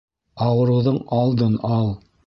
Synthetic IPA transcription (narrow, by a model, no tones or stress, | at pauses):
ɑwɤ̆ɾɤ̆wðɤɴɑlˠd̪ɤnɑlˠ